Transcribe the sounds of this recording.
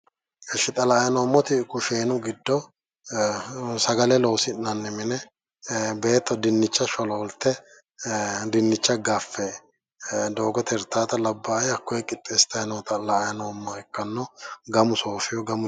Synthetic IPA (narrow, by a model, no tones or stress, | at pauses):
ɛʃɪt̪ʼɐlaːjɐnoːmːɔt̪ɪkʊʃeːnʊɡɪd̪ːɔ | sɐɡɐlɛloːsɪnnɐnːɛmɪnɛ | be̞ːt̪ːɔd̪ɪnːɪt͡ʃːɐʃɔlɔɔlt̪ːɛ | d̪ɪnːɪt͡ʃːɐɡɐfːɛ | d̪o̞ːɡɔt̪ʰɛɾt̪ːaːt̪ɐlɐbːaːjɐkːɔjɛkʼɪt̪ʼːeːst̪ɐjɐnɔt̪ɐlaːjɐnoːmːɔɛkːɐnːɔɡɐmʊsoːfɪjɔɡɐmʊ